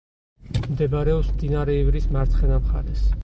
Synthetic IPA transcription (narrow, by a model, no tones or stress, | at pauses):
md̪ɛbaɾɛɔpsmd̪inaɾɛivɾismaɾt̪sʰχɛnamχa̰ɾɛs